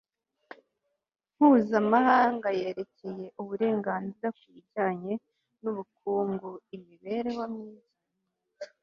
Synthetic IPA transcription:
m̥huːzamahaːŋɡaje̞ːɾe̞ce̞je̞ʔuβuɾe̞ːŋɡaːnziɾakwiɟaːɲe̞ | nuβukuːŋɡuimiβe̞ɾewamɲiːza

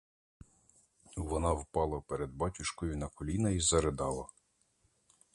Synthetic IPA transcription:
ʋɔnɑwpɑlˠɐpeɾed̪̚bɑtʲʊʃkɔjʊnɐkɔlʲinɐizɐɾed̪ɑlˠɐ

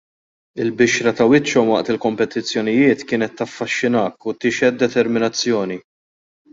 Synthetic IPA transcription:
ɪlbɪʃɾɐt̪ɐwɪt͡ʃːɔmwɐʔt̪ɪlkɔmpɛt̪ɪt͡sːjɔnɪjɪːt̪kɪːnɛt̪ːɐfːɐʃːɪnɐːkːʊt̪ɪːʃɛtd̪ːɛt̪ɛɾmɪnɐt͡sːjɔːni

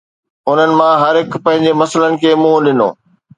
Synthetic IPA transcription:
ʊn̤ənɪ̆mãɦɐɾɪkʰpɐ̃ɦɪ̃ɲ̆d͡ʑemɐsələnɪ̆kʰeːmũɗɪno̰ː

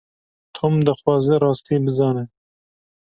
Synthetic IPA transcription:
t̪ʰomd̪ɐxwɑːzɛɾɑːst̪ibɨzɑːne

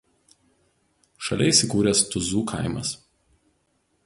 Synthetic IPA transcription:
ʃɐlʲɛɪˑsʲɪkuːɾʲɛst̪ʊzuːkʰa̰ˑɪmɐ̰s

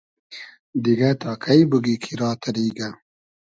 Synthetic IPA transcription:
d̪iɡat̪ɑːkʰajbuɡikʰiɾɑːt̪aɾiːɡa

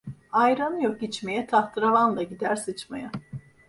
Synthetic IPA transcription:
ajɾanɯjok̚it͡ʃme̞jɛt̪ʰaht̪ʰɯɾalˠanlˠaɟid̪æɾsɯt͡ʃmaja

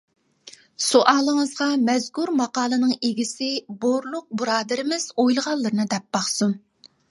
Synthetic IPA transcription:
soʔɑːlˠəŋəzʁɑmɛzɡuɾmɑqɑːlˠɨnɨŋeɡʲisɪboɾlˠʊq̚buɾɑːd̪ɪɾɪmɪz̥ojlˠəʁɑlˠːɨɾɨnɨd̪ɛp̚bɑχsum

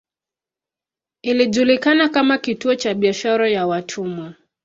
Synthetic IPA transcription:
iliʄulikanakamakituɔt͡ʃaɓiaʃaɾajawatʰumwa

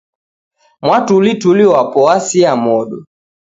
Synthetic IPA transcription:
mwatulituliɔwapɔasiamɔɗɔ

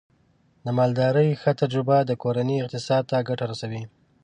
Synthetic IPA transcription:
d̪əmɑld̪ɑɾəjxət̪ad͡ʒɾɪbad̪əkoɾaniɪq̚t̪ɪsɑd̪̚t̪aɡaʈaɾasawi

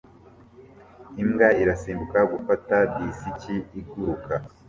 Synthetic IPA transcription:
imɡaiɾasiːmbukaɡufatabisiciiɡuɾukʰa

